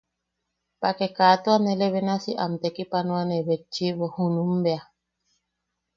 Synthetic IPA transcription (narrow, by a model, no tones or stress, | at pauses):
pakekaːt̪uaneleβenasiʔa̰mt̪ekipanũaneβet͡ʃːiβohunumbea